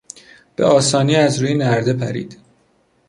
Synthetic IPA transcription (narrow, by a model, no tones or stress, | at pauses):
b̥ḛʔɒːsɒːniːæzɾuːjenæɾd̪e̞pʰæ̰ɾḭːd̪̥